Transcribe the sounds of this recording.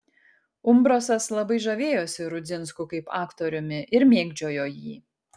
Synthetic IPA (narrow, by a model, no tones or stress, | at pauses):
ʊmbɾosɐslˠɐbɐɪʒɐʋʲeːjoːsʲɪɾʊd͡z̪ʲɪnskʊkɐɪpɑːkt̪oːɾʲʊmʲɪʔɪɾmʲeːɡd͡ʒʲoːjoːjiː